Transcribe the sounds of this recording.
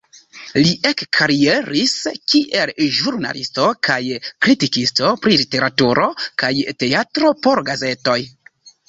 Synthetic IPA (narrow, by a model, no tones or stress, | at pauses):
liʔe̞kkʰaɾie̞ɾiskiʔe̞lʒuɾna̰listo̞kajkɾitikisto̞pɾilite̞ɾatuɾʔo̞kajte̞atɾo̞po̞ɾɡaze̞to̞j